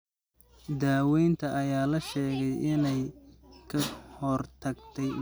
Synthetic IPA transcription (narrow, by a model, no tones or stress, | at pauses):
d̪aːwɛjnt̪ʰɐʔɐjaːlɐʃɛːɣɛjʔɪnɛjkʰɐhɔrt̪ʰɐɡt̪ʰɛj